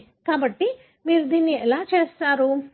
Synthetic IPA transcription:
kaːbɐʈːi | miːɾud̪inːiɛlaːt͡ʃeːst̪aːɾu

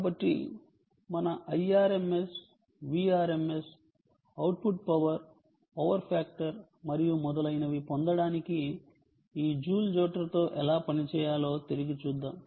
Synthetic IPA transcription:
kaːbɐʈːḭ | mɐnɐʔɐjaːɾeme̞s | ʋiːaːɾeme̞s | ɐwʈ̚puʈ̚pɐʋɐɾ | ɔːʋɐɾpʰaːk̚ʈɐɾ | mɐɾijumɔd̪ɐlɐjnɐʋipond̪ɐɽaːniki | iːd͡ʒuːld͡ʒoːʈɐɾɐt̪o̞ːʔɛlaːpɐnit͡ʃɛːjaːlo̞ːt̪eɾiɡit͡ʃuːd̪ːaːm

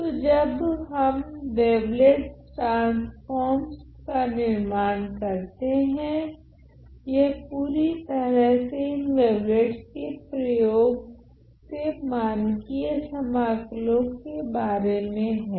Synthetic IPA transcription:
tt̪od͡ʒɐbɦɐmʋeːʋleʈʈaːsfɔːɾmskanɪɾmaːnkɐɾt̪eɦɛ̃ | jepuːɾit̪əɾəɦseɪnʋeːʋleʈskepɾɐjoːɡ | semaːnkiesɐmaːklõkebaːɾemẽɦɛ̃ː

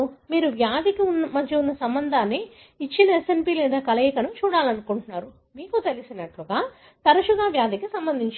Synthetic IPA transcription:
miːɾuʋjaːd̪ikiunmɐd̪jɐunːɐsɐmbɐnd̪ʱaːnːiː | t͡ʃːinɐesempiːlɛːd̪aːkɐlɐjikɐnut͡ʃuːɽaːlɐnukuɳʈunːaːɾu | miːkut̪elisinɐʈluɡaː | t̪ɐɾɐʃuɡaːʋjaːd̪ikisɐmbɐnd̪ʱiɲt͡ʃi

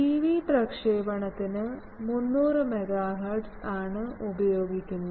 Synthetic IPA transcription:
ʈiːʋiːprɐkʂeːbɐɳɐt̪ːinɨ | munːuːrɨmeɡaːɦɐrɖsaːɳɨubɐjo̞ːɡikʲːunːu

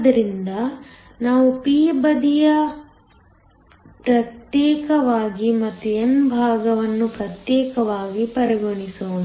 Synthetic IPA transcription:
ɐd̪ɐɾind̪ɐ | naːʋupiːbɐd̪ijɐ | pɾɐt̪jɛːkɐʋaːɡimɐt̪ːuenbʱaːɡɐʋɐnːupɾɐt̪jɛːkɐʋaːɡipɐɾɐɡoɳisoːni

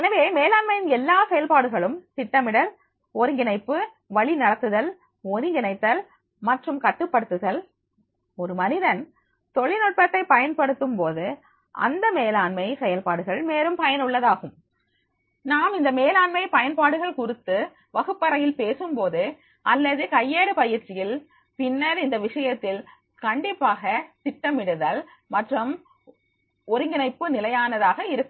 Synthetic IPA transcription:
ɛnɐʋeːmeːlaːɳmɐjɪnɛlːaːsɛjɐlpaːɽɯɣɐɭɯmsɪʈːɐmɪɽɐl | ɔɾɯŋɡɪnɐɪpːɯ | ʋɐɭinɐɽɐt̪ːɯðɐl | ɔɾɪŋɡɪnɐɪt̪ːɐl | mɐʈrɯmkɐʈːɯpːɐɽɯt̪ːɯðɐl | ɔɾɯmɐnɪðɐn | t̪ɔɭɪnɔʈ̚pɐt̪ːɐɪpɐjɐnpɐɽɯt̪ːɯmpoːðɯ | ʔɐ̰nd̪ɐmeːlaːɳmɐjsɛjɐlpaːɽɯɣɐɭmeːɾɯmpɐjɐnʊɭːɐðaːɣɯm | naːmɪnd̪ɐmeːlaːɳmɐɪpɐjɐnpaːɽɯɣɐɭkʊrɪt̪ːɯ | ʋɐɣɯpːɐɾɐjɪlpeːsɯmpoːðɯ | ʔɐlːɐðɯkɐjːeːɽɯpɐjɪɾt͡ʃːɪjɪl | pɪnːɐɾɪnd̪ɐʋɪʂɐjɐt̪ːɪl | kɐɳɖɪpːaːɣɐt̪ɪʈːɐmɪɽɯðaːl | mɐʈrɐm | ɔɾɯŋɡɪnɐɪpːɯnɪlɐjaːnɐðaːɣɐɪɾɯkːɯm

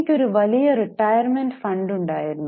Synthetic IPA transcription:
kʲːoɾuʋɐlijɐriʈːɐjɐrmenɖfɐɳɖuɳɖaːjiɾunːu

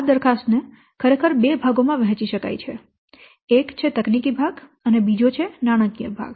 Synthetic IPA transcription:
d̪əɾkʰast̪ne | kʰəɾekʰəɾbebʱaɡomãʋɛɦɛ̃t͡ʃiʃəka̰jt͡ʃʰe | ekt͡ʃʰet̪əknikibʱaɡənebid͡ʒot͡ʃʰenaɽ̃əkijəbʱa̰ɡ

